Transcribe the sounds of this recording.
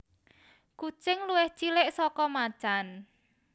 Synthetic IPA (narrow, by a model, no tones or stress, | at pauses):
kut͡ʃɪŋluwɪht͡ʃilɪʔsɔkɔmḁt͡ʃan